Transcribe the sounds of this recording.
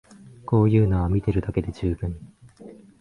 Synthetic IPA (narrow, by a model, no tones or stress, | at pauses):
ko̞ːjɯ̟ːnoβamʲit̪e̞ɾɯ̟d̪ake̞d̪e̞ʑɨːbɯ̟̃ŋ